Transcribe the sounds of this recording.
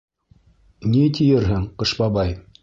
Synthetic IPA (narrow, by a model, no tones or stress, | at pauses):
nit̪ijɘɾɦɘŋqɤ̆ʃbɑbɑj